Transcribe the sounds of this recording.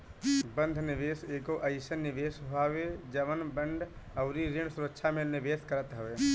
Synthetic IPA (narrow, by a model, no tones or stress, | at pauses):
bə̃nd̪ʱnɪʋeːseːkoʔəɪsənːɪʋeːsɦoaːʋed͡ʒəʋənbə̃ɳɖʱəʊɾiɾɪ̃ɳsʊɾəkːʃʰamelnɪʋeːskəɾət̪ɦəʋeː